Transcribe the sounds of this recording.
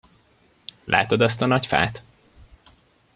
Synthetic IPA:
lʔa̰ːt̪od̪ɒs̬t̪ɒnɒcfa̰ːt̪

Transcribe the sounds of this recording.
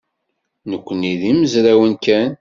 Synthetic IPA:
nəkʷːəniðiməzɾæwənkæn

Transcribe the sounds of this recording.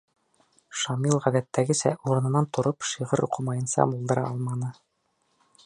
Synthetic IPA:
ʃɑmilˠʁæðæt̪ːæɡɘ̆sæ̰ʔuɾɤ̆nɤ̆nɑnt̪ŏɾopʃiʁɤɾʔuqʰɤmɑjɤ̆nsɑ̰mulˠd̪ɤ̆ɾɑɑlˠmɑnɤ

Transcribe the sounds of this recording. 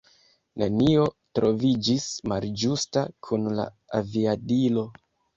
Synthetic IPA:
nenio̞tɾo̞vid͡ʒismald͡ʒustakʰunla̰ | aviadilo̞

